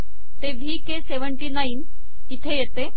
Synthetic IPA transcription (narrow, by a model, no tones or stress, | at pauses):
t̪eʋʱiːkeseʋəɳʈinain | it̪ʰejet̪e